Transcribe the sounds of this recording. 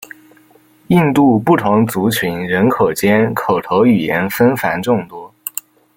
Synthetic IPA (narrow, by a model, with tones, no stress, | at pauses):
i˥˧nt̪u˥˧pu˥˩t̪ʰʊ˧˥ŋt͡su˧˥t͡ɕʰy˧˥nɻə˧˥nkʰo˨˩ʊt͡ɕjɛ˥nkʰo˨˩ʊt̪ʰo˧˥ʊy˨˩jɛ˧˥nfə˥nfa˧˥nʈ͡ʂʊ˥˩ŋt̪wɔ˥